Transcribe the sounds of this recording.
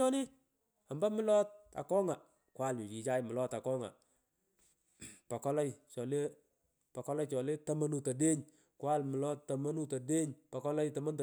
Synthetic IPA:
ɔ˦nɪ˦ | a˨mba˦mɪ˦lɔ˦t̚a̰˨kɔ˦ŋa˨ | kwa˦˨lɲʊ˨t͡ʃi˨t͡ʃa˦jmɪ˨lɔ˦ta˨kɔ˦ŋa̰˨ | pa˨kɔ˦lɔ˦jt͡ʃɔ˨le˦ | pa˨kɔ˦lɔ˦jt͡ʃɔ˨le˦tɐ˦ma˦nu˨ta˨de˦ɲ | kwa˦lmɪ˨lɔ˦tːɐ˨ma˦nu˦ta˨de˦ɲpɐ˨kɔ˦lɔ˦jtɐ˨ma˦nt

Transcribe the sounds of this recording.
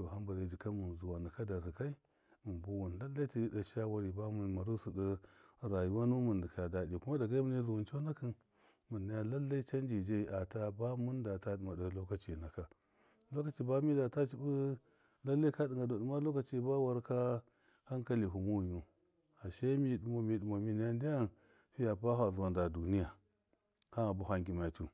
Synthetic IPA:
to˨ɦa˦mba˨la˨d͡ʒi˨ka˦mu˨n˨zu˨wa˨nə˨ka˦da˨ɾhi˨ka˦i˦ | mu˨mbu˦wu˨n˨la˦lːa˦i˦ti˨i˦da˨ʃa˦wa˦ɾi˨ba˦mu˨nma˨ɾu˦su˨ɗə˦ɾa˨ju˨wa˦nu˦mu˨ndə˨ka˨da˨di˨ku˦ma˦da˨ɡa˦i˦mu˨ni˦zu˨wu˨nt͡ʃo˦na˦kɨ˦n | mu˨nːa˦ja˦la˦lːa˦i˦t͡ʃa˦nd͡ʒi˨d͡ʒa˦i˨ʔa˨ta˦ba˦mu˦n˦da˨ta˦i˨ma˨da˨lo˦ka˨˦t͡ʃi˨na˨ka˨ | lo˦ka˦t͡ʃi˨ba˦mi˦da˨ta˦t͡ʃi˨bu˦ | la˦lːa˦i˦ka˦di˨ŋɡa˨da˨ɗu˨ma˦lo˦ka˦t͡ʃi˨˦ba˦wa˦ɾka˦ | ha˦ŋka˦li˨ɦu˨mu˦˨ju˦ | a˨ʃa˦mi˦˨du˨mo˨mi˨ɗu˨mo˨mi˨n˦ja˦ndi˦ja˦ | fi˦ja˨pa˦ɦa˨zu˨wa˨nda˨du˨ni˦ja˨ | ha˦a˨bu˦ha˦ŋɡi˨ma˨tu˦

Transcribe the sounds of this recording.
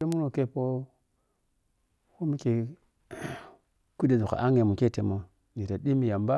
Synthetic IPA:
e˦mu˦no˨ke˦po˦ | ko˦mi˦ke˨ | ku˦de˨zu˨ka̰˨ʔa˦ŋe˨mu˨ke˦˨te˨mo˨ | ni˨ta˨di˦mi˨ja˨mba˦

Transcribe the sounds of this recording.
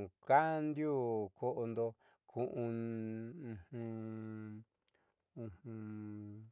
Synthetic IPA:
ka˦nd̪ju˦kʰo˦ʔo˧nd̪o˧ | kʰũ˧ʔũ˧ | ũ˧hũ˧ | ũ˧hũ˧

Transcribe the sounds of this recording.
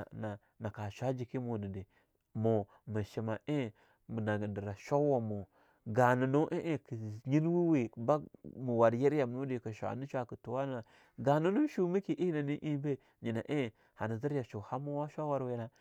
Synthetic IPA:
na˨ | na˨ka˨ʃʷa˦d͡ʒi˨ki˦mo˨nə˨de˨ | mo˨ | mə˨ʃi˨ma˨ʔe˦˨ | mə˨na˨ɡə˨ndə˨ɾa˨ʃa˦wa˨mo˨ | ɡa˨nə˨no˦ʔe˦ʔki˨ɲi˦n˦wi˦we˨ba˦mu˨wa˨dje˦ɾja˨mnu˦di˨kə˨ʃʷa̰˨nu˦ʃʷa˨kə˨tu˨wa˦n˦a˨ | ɡa˨nu˦nu˦ʃu˨mi˦ki˨ʔi˦na˨ni˦ʔi˦be˦ | ɲi˨na˨ʔe˦˨ | ha˨nə˨zi˦ɾja˨ʃo˨ha˦mo˦wa˦ʃʷa˦wa˦ɾwe˨˦na˦

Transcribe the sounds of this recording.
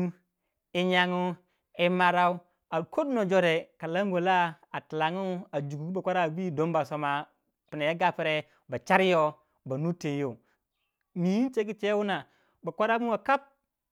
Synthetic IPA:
i˨ɲa˨ŋu˦ | i˨ma˨ɾa˦u˦ | a˨ko˦dno˨d͡ʒo˦ɾe˨ka˨la˦ŋ˦ɡo˨la˦ | a˨tla˨ŋu˦a˨d͡ʒu˨ɡu˨˦ba˨kʷa˦ɾa˦˨bi˦do˨˦m˦ba˨so˨ma˨ | pi˨na˨ja˦ɡa˦pi˦ɾe˦ | ba˨t͡ʃa˦ɾi˦jo˦ | ba˨nu˦te˨˦jo˨ | mi˨ji˦nt͡ʃe˦ki˦t͡ʃe˦wu˦na˨ | ba˨kʷa˦ɾa˦mu˦wa˨ka˦p̚

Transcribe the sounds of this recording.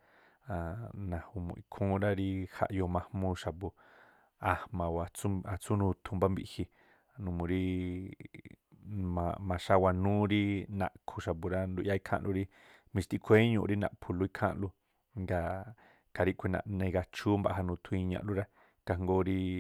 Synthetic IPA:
a˨nã˨hu˧mṵ̃˧˨ʔi˧kʰũː˦ɾa˦ɾi˦ha̰˧ʔjo˧mã˧hmũ˧ʃa˧bu˧ | a˨mã˨wa˨t͡su˦a˨t͡su˦nũ˧t̪ʰu˧mba˦mbi˧ʔhi˧˨˧ | nũ˧mũ˧ɾi˦ | mã˨mã˨ʃa˧wa˧nũː˦ɾi˦nã̰˨ʔkʰu˧ʃa˨bu˧ɾa˦nd̪u˧ʔja˧˦i˦kʰã̰˦ʔlʔu˧ɾi˦ | mĩ˧t̪i˧kʷʰe˦ɲṵ̃˧ʔɾi˦nã̰˨ʔpʰu˧lu˧i˧˦kʰã̰˦ʔlu˦ | ŋɡa˧ | ka˧ɾi˦ʔkʷe˧nã̰˧ʔnẽ˧ɡa˧t͡ʃu˦mba̰˧ʔɦa˧nũ˧t̪ʰũ˧i˧ɲã̰˧ʔlu˦ɾa˦ | ka˧ŋɡo˧ɾi˦

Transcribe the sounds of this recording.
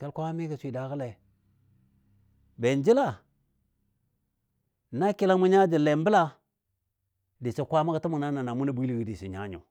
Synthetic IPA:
ke˦lkʷa˦a˦me˦ka˨sʷi˨da˨kə˦le˨ | be˨nd͡ʒi˦la˦˨ | na˦ki˦la˦mu˦ɲa˦d͡ʒi˨le˨mbə˦la˦ | di˨t͡ʃe˨kʷa˦ma˦ka˨tu˦mu˨na˦na˨na˨mu˦na˦bʷi˦lɡi˨di˨sḭ˨ɲa̰˦ɲo̰˨

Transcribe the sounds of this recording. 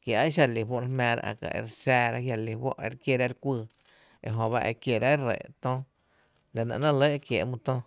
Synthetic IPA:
kja˨ʔa˦ʃ̬a˧˨li˨wʷo˦ʔɾe˧hmɛ̃ː˧ɾa̰˧ʔa̰˨ka̰˨ʔḛ˧˨ɾsɛː˧ɾa˦hɦja˧li˨wo̰˦ʔḛ˧ɾkje˧˨ɾa˦˧ɾkʷɨː˧ | e˧ɦõ˧˨βa˦ʔḛ˧kje˧˨ɾa˦rḛ˨t̪õ˦ | la˨nã̰˧˨ʔnã˦lə˦kje˨ʔmũ˧t̪õ˦

